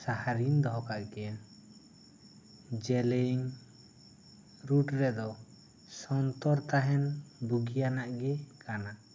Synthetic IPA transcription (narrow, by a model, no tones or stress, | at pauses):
sahaɾind̪ɔɦɔkaʔɡɛja | d͡ʒɛlɛiŋ | ɾuʈɾɛd̪ɔ | sɔnt̪ɔɾt̪aɦɛnbuɡijanaʔɡɛkʰana